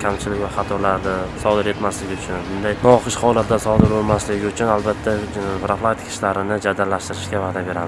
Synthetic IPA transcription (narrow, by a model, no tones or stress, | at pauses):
kʲʰamt͡ʃʰɪlɪkʲvaχɑt̪ʰɒɾlaɾd̪ɪsɒd̪ɪɾe̞t̪maslɪɡʲɪʊt͡ʃʰʊnbʊnd̪ajnɒɒχɨʃhɒwlˠat̪d̪asɒd̪ɪɾbolˠmaslɪɡʲɪʊt͡ʃʰʊnalbat̪ʰːabɾaflˠat̪ʰɪ̥kʲʰɪ̥ʃlaɾɪnɪd͡ʒad̪alːaʃt̪ɪɾɪʃɡʲavaːd̪abe̞ɾad̪ɪ